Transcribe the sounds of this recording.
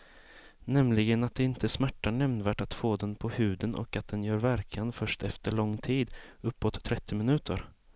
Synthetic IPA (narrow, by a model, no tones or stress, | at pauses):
nɛmlɪɡənat̪̚d̪ɛɪnt̪ʰəsmæʈːaɳɛmnvæːʈat̪foːd̪ɛnpʰɔhʉ̟ːd̪ənʔɔ̰kat̪̚d̪ɛnjœːɾvæɾkʰanfœʂʈɛft̪ʰəɭɔŋːt̪ʰiːd̪ | ɵpːɔt̪ʰːɾɛt̪ʰːɪmɪnʉ̟ːt̪ʰə̰ɾ